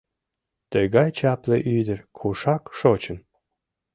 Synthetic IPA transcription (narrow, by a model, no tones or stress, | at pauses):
t̪əɣɑjt͡ɕɑpleʔyd̪ərkʰuʃɑkʃot͡ɕən